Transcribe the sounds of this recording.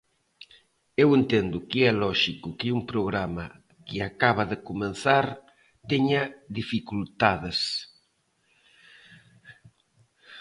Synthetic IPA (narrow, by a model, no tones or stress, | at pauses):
ewent̪end̪ʊkeɛlɔʃikukeumpɾoɣɾama | kɪakaβ̞aðekumẽnθaɾ | t̪eɲaðifikult̪aðes